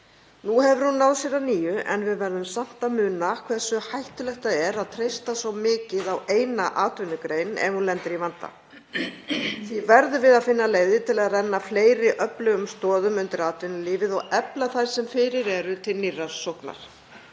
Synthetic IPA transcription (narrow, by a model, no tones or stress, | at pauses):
nuɦɛvʏɾ̥hunːawðsjɛɾaniːjʏʔɛ̰nvɪðvɛɾðʏmsam̥t̪amʏːnakʰv̥ɛsʏhajht̪ʏlɛxt̪aɛɾaðt̪ʰɾejst̪asvawmɪːcɪðaweːjnaʔaːt̪ʏnʏkɾejnɛ̰vhunlɛnt̪ɪɾivant̪a̰ | θvivɛɾðʏvɪðaðfɪnːaleːjðɪt̪ʰɪlaðrɛnːafleːjɾɪʔœplʏɣʏmst̪ɔːðʏmʏnt̪ɪɾaːt̪ʰʏnʏliːvɪðɔɣɛplaθajɾ̥sɛmfɪɾɪɾɛɾʏt̪ʰɪlnirːasowhkna̰ɾ̥